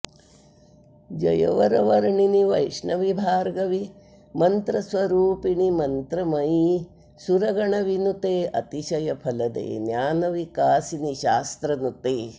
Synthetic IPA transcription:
d͡ʒɐ̰jɐ̰ʋɐɾɐʋɐɾɳiniʋɐjʂɳɐʋibʱaːɾɡɐʋi | mɐnt̪ɾɐsʋɐɾuːpiɳimɐnt̪ɾɐmɐji | suɾɐɡɐɳɐʋinut̪eːʔɐt̪iʃɐjɐpʰɐlɐd̪ḛːnjaːnɐʋikaːsiniʃaːst̪ɾɐnut̪eː

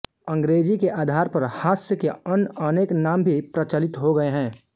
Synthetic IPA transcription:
ə̃ŋɡɾeːd͡ʒikeʔaːd̪ʱaːɾpɐɾhaːsjəkeənəneːknaːmbʱipɾɐt͡ʃəlɪt̪ɦoɡɐeɦɛ̃ː

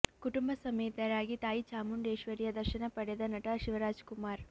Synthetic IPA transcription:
kuʈumbɐsɐmeːt̪ɐɾaːɡit̪aːjit͡ʃaːmuɳɖeːʃʋɐɾijɐd̪ɐɾʃɐnɐpɐɽed̪ɐnɐʈɐʃiʋɐɾaːd͡ʒkumaːɾ

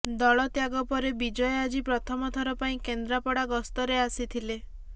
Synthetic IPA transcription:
d̪ɔɭɔt̪jaɡɔpɔɾebid͡ʒɔjɔad͡ʒipɾɔt̪ʰɔmɔt̪ʰɔɾɔpaĩkend̪ɾapɔɽaɡɔst̪ɔɾeasit̪ʰile

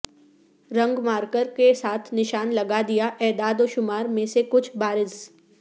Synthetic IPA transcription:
ɾɐ̃ŋɡmaːɾkəɾkesaːt̪ʰnɪʃaːnlɐɡad̪ijaʔɛːd̪aːd̪oʃʊmaːɾmẽsekʊt͡ʃʰbaːɾɪz

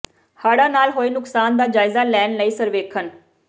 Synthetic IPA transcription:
haːɽaːnaːlɦoːiːnʊksaːnd̪aːd͡ʒaːɪzaːlɛːnləiːsəɾʋeːkʰən

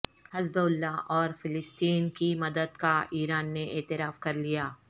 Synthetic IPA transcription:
hɐzbʊlːaʔɔːɾfɪlɪst̪iːnkimɐd̪əd̪kaʔiːɾaːnːeʔeːt̪ɪɾaːfkɐɾlijaː

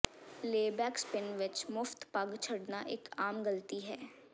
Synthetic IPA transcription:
leːbɛːkspɪnʋɪt͡ʃmʊft̪pɐɡt͡ʃʰɐɽnaʔeːkaːmɡəlt̪iɦɛː

